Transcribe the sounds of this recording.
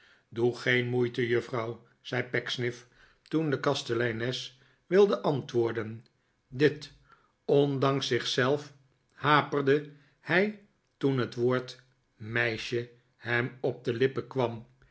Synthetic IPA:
duχejnmujtəjɵfrɑw | z̥ɛjpɛksnɪf | tundəkɑstəlɛjnɛs | ʋɪlˠdəʔɑntʋʊːɹdən | dɪt | ɔndɑŋsɪχsɛlˠf | haːpərdə | hɛj | tunɦətʋoːɹt | mɛjʃə | hɛmɔb̚dəlɪpəkʋɑm

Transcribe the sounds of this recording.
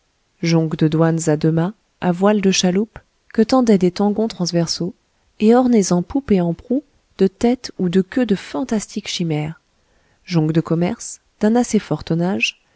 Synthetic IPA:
ʒɔ̃ɡd̪əd̪wanzad̪əmɛ̃ | avwald̪əʃalup | kət̪ɑ̃d̪ɛd̪et̪ɑ̃ɡɔ̃t̪χɑ̃svɛʁso | eɔʁnezɑ̃pupeɑ̃pχu | d̪̥ət̪ɛt̪ud̪əkʲød̪əfɑ̃t̪ast̪ʰikʃimɛːʁ | ʒɔ̃ɡd̪əkɔmɛʁs | d̪̥ɛ̃nasefɔʁt̪ɔnaʒ

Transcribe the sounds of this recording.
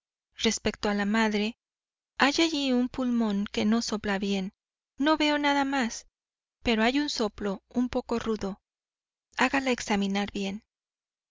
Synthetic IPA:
re̞spe̞k̚t̪oalamaðɾe̞ | aʝaʝiumpulmõ̞ŋke̞no̞soplaβje̞nː | o̞βe̞onaðamas | pe̞ɾo̞ajunso̞plo̞umpo̞ko̞ruðo̞ | aɣalaeksamĩnaɾbje̞n

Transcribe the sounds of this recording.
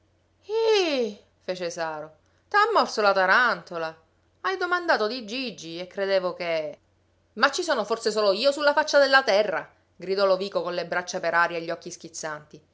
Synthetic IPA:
i | feːt͡ʃesaːɾo | t̪amːɔrsolat̪aɾant̪ola | ajd̪omand̪aːt̪od̪id͡ʒid͡ʒːiekːɾed̪eːvoke | mat͡ʃːisoːnoforsesoːloiːosulːafat͡ʃːad̪elːat̪ɛrːa̰ | ɡɾid̪ɔloviːkokonlebɾat͡ʃːapeɾaːɾjeʎːɔkːisk̟it̪sːant̪i

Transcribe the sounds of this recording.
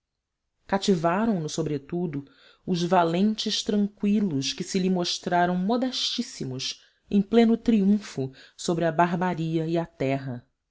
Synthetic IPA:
kat͡ʃivaɾɐ̃w̃nʊsobɾet̪ud̪ʊ | ʊzvalẽnt͡ʃɪʃt̪ɾɐ̃ŋkwilʊʃkɪsɪlimoʃt̪ɾaɾɐ̃w̃mod̪ɛʃt͡ʃisimʊs | ẽj̃plẽnʊt̪ɾiũfʊsobɾɪɐbaɦbaɾiɐiat̪ɛɦɐ

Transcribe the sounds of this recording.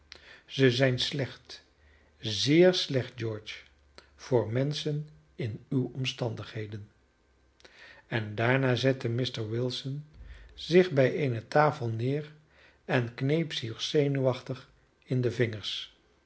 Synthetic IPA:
z̥əzɛjnslɛχt | zɪːɹslɛχd̚d͡ʒɔɹt͡ʃ | v̥ʊːɹmɛnsən | ɪnywɔmstɑndəχɦejdən | ɛndaːɹnaːzɛtəmɪstəɹwɪlˠsənzɪχbɛjeːnətaːfəlˠnɪːr | ɛnknejpsiːrsejnyʋɑχtəχ | ɪndəvɪŋəɹs

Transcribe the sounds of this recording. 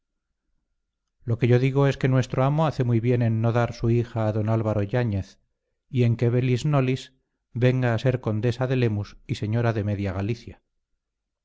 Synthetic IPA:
lo̞ke̞ʝo̞ðiɣ̞o̞e̞ske̞nwe̞st̪ɾo̞amo̞aθe̞muijβje̞ne̞nːo̞ðaɾsuixaːðo̞nalβaɾo̞ʝaɲe̞θ | ie̞ŋke̞βe̞lizno̞lis | be̞ŋɡaːse̞ɾko̞nd̪e̞saðe̞le̞musise̞ɲo̞ɾaðe̞me̞ðjaɣaliθja

